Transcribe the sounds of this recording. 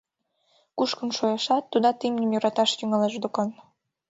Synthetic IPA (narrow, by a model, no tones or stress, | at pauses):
kuʃkə̆nʃojɑʃɑt̪ːud̪ɑt̪imnʲəmjoɾɑt̪ɑʃt̪yŋɑleʒd̪okɑn